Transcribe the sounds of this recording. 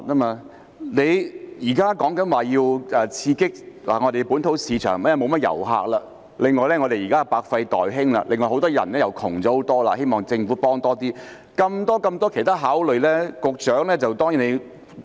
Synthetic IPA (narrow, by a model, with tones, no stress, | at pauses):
taː˥maː˧ | ne˨˧jjiː˨˩kaː˥kɔː˨˥ŋkɐ˨˥nwaː˨jiː˧wɛː˨˧t͡sʰiː˧kɪ˥k̚la̰ː˨˩ŋɔ˨˧t̪e˨jpuː˨˥nt̪ʰo˨˥wsiː˨˧t͡ʃʰœ̰ː˨˩ŋmɛ˥jɛ˧mo˨˧wmɐ˥t̚jɐ̰˨˩wɦa̰ː˧k̚laː˧ | lɪ˨˩ŋːɔː˨˧jlɛː˥ŋɔ˨˧t̪e˨jiː˨kaː˥˨˩paː˧k̚fɐ˧jt̪ɔ̰ː˨jɦɪ˥ŋla̰ː˧lʔɪ˨ŋɔː˨˩jho˨˥wt̪ɔː˥jɐ̰˨˩nlɛː˥jɐ˨˩wkʰʊ˨˩ŋt͡sɔː˨˥o˨˥wt̪ɔː˥la̰˧he˥jmɔː˨ŋt͡sɪ˧ŋfuː˨˥pɔː˥ŋt̪ɔː˥t̪iː˥ | kɐ˧mt̪ɔː˥kɐ˧mt̪ɔː˥kʰe˨˩jt̪ʰaː˥ɦaː˨˥wlɵ˨ɥlɛː˥kʊ˨k̚t͡ʃœː˨˥ŋlɛː˥t͡sɐ˨wt̪ɔː˥ŋjiː˨˥ne˨˧j